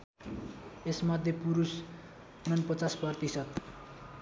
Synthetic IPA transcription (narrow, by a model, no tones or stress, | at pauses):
esmʌd̪ʱjepuɾus | unʌnpʌt͡saspʌrt̪isʌd̪